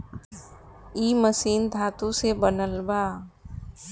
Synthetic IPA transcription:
iːməsiːnd̪ʱaːt̪usebənəlbaː

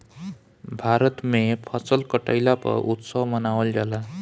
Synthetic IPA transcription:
bʱaɾət̪mepʰʌsʌlkʌʈə̰jlapʌ̰ʔut̪sʌwmʌnawəld͡ʒala

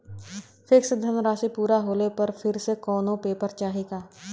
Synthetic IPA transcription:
pʰɪksd̪ʱənɾaːʃipuːɾaɦoːlepəɾpʰɪɾsekɔːnõːpeːpəɾt͡ʃaːɦiːɡaː

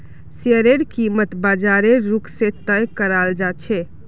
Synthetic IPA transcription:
siəɾeɽkimət̪bad͡ʒaɾeɾukset̪əjkəɾald͡ʒat͡ʃʰɛ

